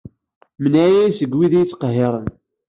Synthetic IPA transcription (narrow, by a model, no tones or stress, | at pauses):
mənʕæjæjsəɡwiðijt͡sːqəɦːɪɾˤən